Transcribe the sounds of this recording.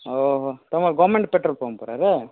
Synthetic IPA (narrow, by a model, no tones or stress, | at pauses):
oɦot̪ɐmɐɭɡaːmɛɳɖʈpɛʈɾɐlpoːpo̰ːɾa̰ːɾɯ